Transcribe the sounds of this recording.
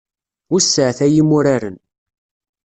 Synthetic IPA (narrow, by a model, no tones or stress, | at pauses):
ʊɾsːəʕθæjimʊɾaɾən